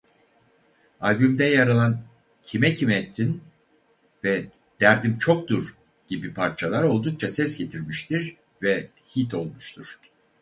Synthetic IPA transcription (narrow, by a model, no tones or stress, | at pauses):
alʲbymd̪ɛjaɾalˠan | cʰimɛcʰimɛːt̪ʰːin | vɛ | d̪̥æɾd̪imt͡ʃʰo̞k̚d̪uɾ | ɟ̥ibipʰaɾt͡ʃʰalˠaɾo̞lˠd̪uk̚t͡ʃʰasɛsɟe̞t̪ʰiɾmiʃt̪ʰiɾ | vɛ | hit̪ʰo̞lˠmuʃt̪ʰuɾ̥